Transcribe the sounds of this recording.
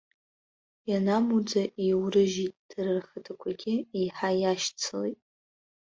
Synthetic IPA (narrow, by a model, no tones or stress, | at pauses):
janamud͡zaʔiwɾɨʒitʼd̥ɨrɨrχatʰakʷʰaɡʲɪiħajaʃt͡sʰɨletʼ